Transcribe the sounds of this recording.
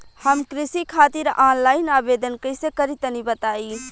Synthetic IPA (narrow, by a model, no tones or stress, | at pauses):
həmkɾɪsikʰaːt̪iɾãːnlaːɪnaːbed̪ənkəsekəɾit̪ənibət̪aːi